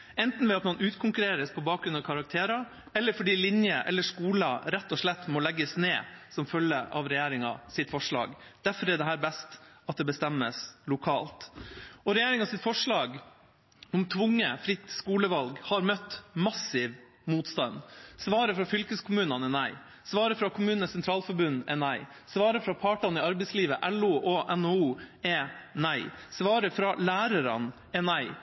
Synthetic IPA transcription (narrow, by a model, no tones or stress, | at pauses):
ɛnt̪n̩ʋɛɑt̪mɑnʔʉːt̪kʰʊŋkʉɾeːɾəspʰɔbɑːk̚ɾʉnɑʋkʰɑɾɑk̚t̪ʰeːɾɑ | ɛlːəɾfɔɖiːlɪnjəʔɛ̰lːəʂkuːlɑɾɛt̪ːɔʂɭɛt̪ːmɔlɛɡːəsneːsɔmfœljəʔɑ̰ʋɾɛjeːɾɪŋɑ̰sɪt̪fɔʂɭɑ̰ːɡ | d̪̥æɾfɔɾɛɖ̪ɛɦæːɾbɛst̪ | ɑt̪̚d̪ɛbəst̪ɛmːəslʊkʰɑːlt̪ɔɾɛjæːɾɪŋɑsɪt̪fɔʂɭɑːɡ | ʊmt̪ʰʋʊŋːəfɾɪt̪ːskuːləʋɑlɡhɑɾmœt̪ːmɑsɪʋ | muːt̪st̪ɑnsʋɑːɾəfɾɑfʏlkəskʰʊmʉːnɑnənæɪ | sʋɑːɾəfɾɑkʰʊmʉːnənəsɛnt̪ʰɾɑːlfɔɾbʉnʔɛnæɪ | sʋɑːɾəfɾɑpʰɑːʈɑnɪɑɾbɛɪsliːʋəʔɛluːʔɔʔɛnouːɛnæɪsʋɑːɾəfɾɑlæːɾəɾɑ̰n | ɛnæɪ